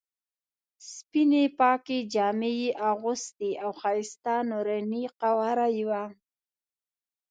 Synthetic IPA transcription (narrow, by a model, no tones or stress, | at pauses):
spinepɑked͡ʒɑmejiʔaɣʊsd̪iʔawxɑjst̪anoɾaniqawaɾajiwa